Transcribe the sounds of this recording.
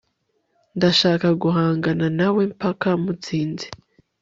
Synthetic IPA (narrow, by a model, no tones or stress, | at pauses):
ndaʃaːkaɡuɦaːŋɡananawempakamut͡siːnzi̥